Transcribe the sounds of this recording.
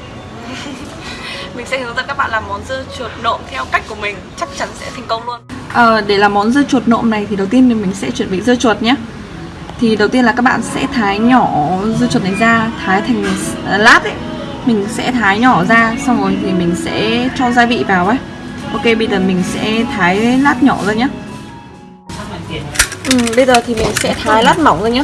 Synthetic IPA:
mï˨˩ŋ̟sɛ̰˧˥˨ə˦˥ka˦˥ɓa̰ː˧˨laː˨˩mːɔ˨˦nzɨ˧t͡ɕu˨˩ət̚no̰˧˨mt̪ʰɛ˧wka˦˥k̟ku˧˩mï˨˩ŋ̟t͡ɕa˦˥k̚t͡ɕa˨˦nsɛ̰˧˥t̪ʰa˨˩ŋ̟kə˧wŋ͡mlu˧ənʔəː˨˩ɗe˧˩laː˨˩mːɔ˨˦nzɨ˧t͡ɕu˨˩ət̚no̰˧˨mna˨˩jt̪ʰi˨ɗə˨˩wt̪i˧ən˨˩mï˨˩ŋ̟sɛ̰˧˥t͡ɕwi˧˩ənvɓḭ˧˨zɨ˧t͡ɕu˨˩ət̚ɲaː˧˥ | t̪ʰi˨˩ɗə˨˩wt̪i˧ənlaː˨˩kaː˦˥k̚ɓa̰ː˧˨nsɛ̰˧˥t̪ʰaː˨˦jɲɔ˧˩zɨ˧t͡ɕu˨˩t̚na˨˩jzaː˧t̪ʰaː˨˦jt̪ʰa˨˩ŋ̟˨˩˨laː˦˥t̚ʔə˦ | mï˨˩ŋ̟sɛ̰˧˥t̪ʰaː˨˦jɲɔ˧˩zaː˧sa˧wŋ͡mzo˨˩jt̪ʰi˨˩mï˨˩ŋ̟sɛ̰˧˥t͡ɕɔ˧wŋ͡mzaː˧jvḭ˧˨vaː˨˩wʔə˦j | ʔo˧ke˧ɓə˧jzəː˨˩mï˨˩ŋ̟sɛ̰˧˥t̪ʰaː˨˦jlaː˦˥t̚ɲɔ˧˩zəː˧˩jɲaː˨˦˥ | ʔɨ˨˩mɓə˧jzəː˨˩t̪ʰi˨˩mï˨˩ŋ̟sɛ̰˧˥t̪ʰaː˨˦jlaː˦˥t̚ma˧˩wŋ͡mzəː˧jɲaː˨˦

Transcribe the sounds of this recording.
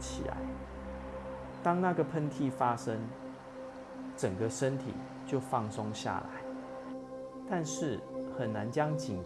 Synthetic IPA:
t͡ɕʰḭ˨˩la̰˨˦ɪ | t̪ɑ˦ŋna˥˨ɡə˨˩pʰə˥˧nt̪ʰi˥˨fa˦ʂə˦ŋ | ʈ͡ʂə˨˩ŋɡə˨ʂə˦nt̪ʰḭ˨˩ | t͡ɕjo˥˧ʊfɑ˥˨ŋso˦ŋɕja̰˥˨la̰˨˦ɪ | t̪a˥˧nʂɻ̩˥˩xə˨˩nːa˨˦nt͡ɕjɑ˦ŋt͡ɕi˨˩ŋ

